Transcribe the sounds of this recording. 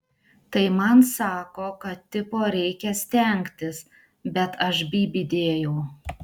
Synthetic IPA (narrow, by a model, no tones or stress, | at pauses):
t̪ɐɪmɐnsɑːkoːkɐt̪t̪ʲːɪpoːɾʲɛɪkʲɛsʲt̪ʲɛˑŋʲkt̪ʲɪs | bʲɛt̪ʰɐʃbʲiːbʲɪd̪ʲeːjɛʊ